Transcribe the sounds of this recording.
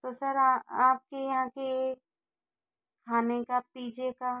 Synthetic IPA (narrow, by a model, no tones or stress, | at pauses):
t̪osɐɾaaːp̚kejɦãke | kʰaːnekapiːd͡ʒeka